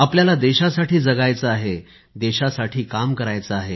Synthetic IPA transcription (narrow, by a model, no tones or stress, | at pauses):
apljalad̪eɕasaʈiːd͡zəɡajt͡səaɦe | d̪eɕasaʈʰiːkamkəɾajt͡səaɦe